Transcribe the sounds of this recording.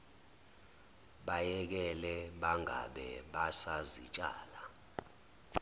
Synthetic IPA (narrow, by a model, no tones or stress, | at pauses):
ɓajɛk̬ɛlɛɓaŋa̰ɓɛɓasazit͡ʃʼa̰ːla